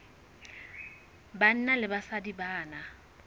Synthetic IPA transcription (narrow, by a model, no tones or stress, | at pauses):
ban̩nalɪbasadibaːna